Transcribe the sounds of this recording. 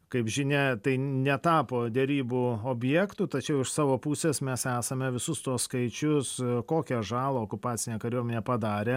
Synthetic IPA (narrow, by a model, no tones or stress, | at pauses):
kɐɪpʒʲɪnʲɛt̪ɐɪnʲɛt̪ɑːpoːd̪ʲɛɾʲiːbuoːbʲjɛkt̪uːt̪ɐt͡ʃʲɛʊɪʃsɑːʋoːpuːsʲeːsmʲɛsæːsɐmʲɛʋʲɪsʊst̪uɔsskɐɪt͡ʃʲʊskoːkʲɛʒɑːlˠooːkʊpɑːt͡sʲɪnʲeːkɐɾʲuɔmʲɛnʲeːpɐd̪ɑːɾʲeː